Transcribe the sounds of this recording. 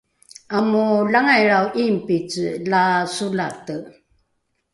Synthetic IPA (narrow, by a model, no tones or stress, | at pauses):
amulaŋajɾawʔimpit͡slasulatə